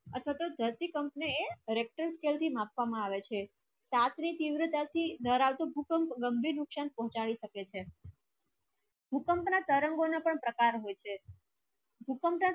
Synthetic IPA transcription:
ət̪ʰʋat̪od̪ʱəɾt̪ikəmpneeɾek̚ʈəɾskelt̪ʰimãpʋamãaʋet͡ʃʰe | sat̪ʰnit̪iʋɾət̪at̪ʰid̪ʱəɾaʋt̪obʱukəmpɡəmbʱiɾnʊksanpɔɦɔ̃t͡ʃaɭiʃəket͡ʃʰe | bʱukəmpnat̪əɾəŋɡonapəɳpɾəkaɾɦojt͡ʃʰe | bʱukəmpna

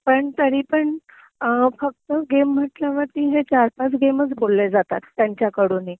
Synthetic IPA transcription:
pəɳt̪əɾiːpəɳ | fək̚t̪əɡem̤ːəʈljaʋəɾt̪iːɦet͡ɕaɾpat͡sɡemət͡sbolːed͡zat̪at̪ːjaɲt͡ɕjakəɽuːni

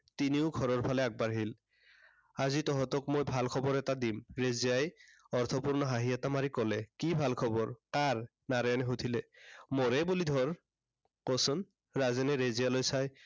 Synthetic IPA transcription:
tiniʊɡʱɔɹɔɹpʰalɛak̚baɹɦil | azitɔɦɔtɔkmojbʱalkʰɔbɔɹɛtadimɹezijaj | ɔɹt̪ʰɔpuɹnɔɦaɦiatamaɹikɔlɛkibʱalkʰɔbɔɹkaɹ | naɹjanɛɦotʰilɛmɔɹɛbulid̪ʱɔɹ | kɔsɔn | ɹazɛnɛɹezijalojsaj

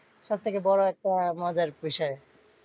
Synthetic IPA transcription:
ʃatt̪ʰːekebɔɾoɛk̚ʈamɔd͡ʑaɾbiʃɔe

